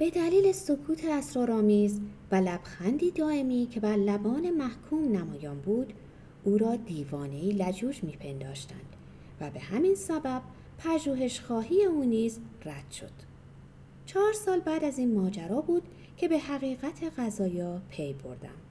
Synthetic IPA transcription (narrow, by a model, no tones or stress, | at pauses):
b̥e̞d̪æliːle̞so̞kʰuːt̪ʰeæsɾɒːɾɒːmiːzvælæb̥xænd̪iːd̪ɒːe̞miːcʰe̞bæɾlæbɒːne̞mæhkʰuːmnæmɒːjɒːnbuːd̪̥ | uːɾɒːd̪iːvɒːne̞iːlæd͡ʒuːd͡ʒmiːpʰe̞nd̪ɒ̰ːʃt̪æ̰nd̪̥ | væbe̞hæmiːnsæbæb̥̚ | pʰæʒuːɦe̞ʃxɒːɦiːjeuːniːzræd̪̥ʃo̞̰d̪̥ | t͡ʃʰɒːɾsɒːlbæːd̪æziːnmɒːd͡ʒæɾɒːbuːd̪ | cʰe̞be̞hæɣiːɣæt̪ʰe̞ɣæzɒːjɒːpʰe̞jbo̞̰ɾd̪æ̰m